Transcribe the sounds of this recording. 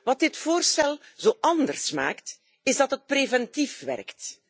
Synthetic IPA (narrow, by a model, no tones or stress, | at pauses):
ʋɑt̚dɪtfoːrstɛlˠzoːʔɑndərsma̰ːkt | ɪzdɑtɦət̚prevɛntifʋɛ̰rkt